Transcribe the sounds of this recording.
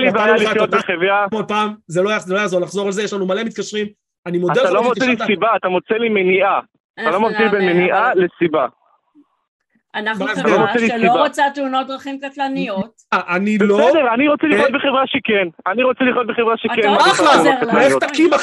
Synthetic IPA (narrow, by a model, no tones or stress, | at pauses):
libalijot̪̚beχevamod̚paːmzelojazelo̞jazo̞ʁlaχzo̞ʁalzejeʃlanumale̞mit̪̚kaʃʁim | animodat̪elalomot͡selisibaːt̪amot͡selimeniʔa | t̪alo̞mavilbenmeniʔalesiba | anamat̪aloʁot͡sɛlislioaʁot͡sat̪eunot̪̚d̪ʁaχimkatlanijo | aʔaniblosɛdeʁaniʁot͡seliχjot̪̚beχevʁaʃekenaniʁot͡seliχjot̪beχevʁaʃekenmaeaaet̪akima